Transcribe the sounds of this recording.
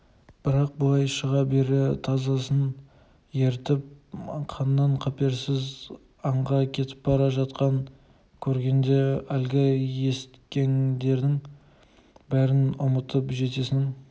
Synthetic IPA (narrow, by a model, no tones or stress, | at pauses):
b̥ɪɾɑq̚bʊlˠɑjʃəʁɑbe̞ɾɪt̪ʰɑzɑsən | je̞ɾt̪ɪp̚qʰɑnːɑɴqʰɑpe̞ɾsɪz | ɑɴʁɑkʲʰe̞t̪ɪ̥p̚bɑɾɑʒɑt̪qɑŋ | kʲʰɵɾɡʲe̞nd̪e̞ælɡʲɪje̞st̪kʲe̞nd̪e̞ɾd̪ɪŋ | bæɾɪnʊmət̪ʰəpʒe̞t̪e̞sɪn